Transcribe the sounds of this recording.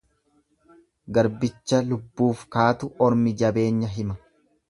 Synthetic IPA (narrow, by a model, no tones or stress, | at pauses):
ɡɐɾbɪt͡ʃːɐlʊbːuːfkaːt̪ʊʔɔɾmɪd͡ʒɐbe̞ːɲːɐɦɪmɐ